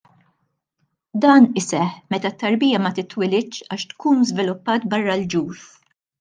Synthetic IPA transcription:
d̪ɐːnɪsɛħmɛt̪ɐt̪ːɐɾbiːjɐmɐt̪ɪt̪ːwɪlɪtːt͡ʃɐːʃt̪kʰuːnzvɪlʊpːɐːt̪bɐrːɐld͡ʒuːf

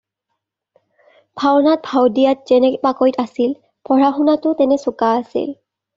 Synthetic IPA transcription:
bʰʱawnat̚bʱawdijat̚zɛnɛpakɔjtasil | pʰɔɹaxunatʊtɛnɛsʊkaːsḭl

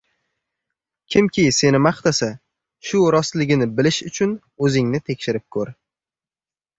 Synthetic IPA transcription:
kʲʰɪmkʲʰɪse̞nɪmaχt̪asa | ʃʊɾɒst̪lɪɡʲɪnɪbɪlɪʃʊt͡ʃʰʊn | ɵzɪŋnɪt̪ʰe̞kʲʃɪɾɪp̚kʰɵɾ

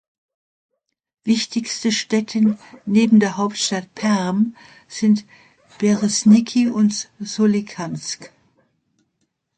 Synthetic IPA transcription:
v̥ɪçtɪçstəʃtɛtʰəneːbm̩deːɐɦaʊp̚tʃtatpʰɛʁm | z̥ɪnt | b̥ɛʁɪsnɪkʰiʊntzolikʰamsk

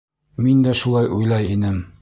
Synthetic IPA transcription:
mind̪æʃulˠɑjʔujlˠɑjinɘm

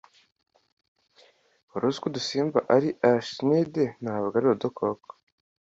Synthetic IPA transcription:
oɾuz̥kudusiːmba̰ʔaɾiʔaʃnidenaβaɡaɾiɾodokʰoko̥

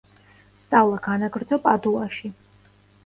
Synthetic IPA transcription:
st̪sʼavlˠaɡanaɡɾd̪zɔpʼad̪uaʃi

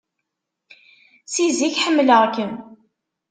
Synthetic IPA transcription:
siziçħəmːləʁkən

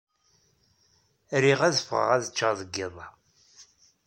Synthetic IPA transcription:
ɾiʁæðəfəʁə̰ʁæðət͡ʃːaðˤəɡːɪðˤɑ

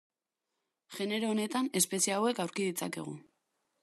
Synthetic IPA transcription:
ʝe̞ne̞ɾo̞ːne̞t̪ane̞spe̞siawe̞kawɾkiðit͡sa̰ke̞̰ɣ̞u

